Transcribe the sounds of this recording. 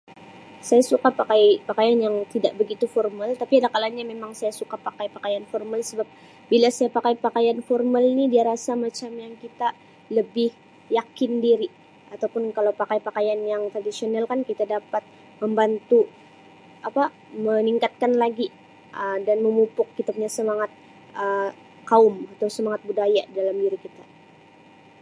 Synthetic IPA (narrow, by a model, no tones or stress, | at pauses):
sajasukapakajpakajanjaŋt̪idaʔ̚bəɡit̪ufɔrmalt̪apiadakalaɲamemaŋsajasukapakajpakajanfɔrmalsəbap̚ | bilasajapakajpakajanfɔrmalnidiaɾasamat͡ʃamjaŋkit̪a | ləbɪh | jakɪndiɾi | at̪awpʊnkalawpakajpakajanjaŋt̪ɾadisionalkankit̪adapat̪̚ | məmbant̪u | apa | məniŋkat̪̚kanlaɡi | ʔədanməmupʊk̚ːit̪əb̚ɲasəmaŋat̪̚ | ʔə | kaʊmat̪awsəmaŋat̪̚budajadalamdiɾikit̪a